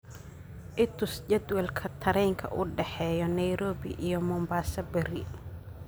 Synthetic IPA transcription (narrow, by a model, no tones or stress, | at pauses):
ʔɪt̪ʰʊst͡ʃɛd̪wɛlkʰɐt̪ʰɐɾɛjŋkʰɐ̰ʔʊɖɛħɛːjɔnɐjɾɔːbɪ̰ʔijɔmɔːmbaːsɐbɛɾɪ